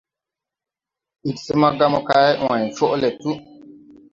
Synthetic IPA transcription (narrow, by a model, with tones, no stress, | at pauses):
ʔi˨kse˦ma˦ɡa˦mɔ˦ka˦jwã˨jt͡ʃɔ˦ʔlɛ˨tu˦